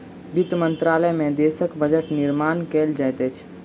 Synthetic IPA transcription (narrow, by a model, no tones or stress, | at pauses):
bit̪mənt̪ɾaləmẽd̪esəkbəd͡ʒəʈniɾmankeld͡ʒajt̪ət͡ʃʰ